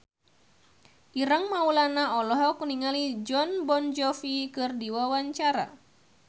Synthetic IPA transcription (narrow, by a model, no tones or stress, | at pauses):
ʔiɾəŋmaulanaɔlɔɦɔkuniŋalid͡ʒɔnbɔnd͡ʒɔfikɨrdiwawaɲt͡ʃaɾa̰